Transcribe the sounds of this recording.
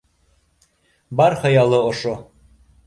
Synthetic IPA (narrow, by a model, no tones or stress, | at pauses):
bɑɾχɑjɑlˠɤŏʃo